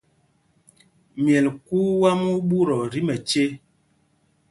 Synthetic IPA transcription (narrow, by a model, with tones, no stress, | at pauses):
mjɛ˨lku˦wa˦mu˦ɓu˦ɾɔ˨ɾi˦mɛ˨t͡ʃe˦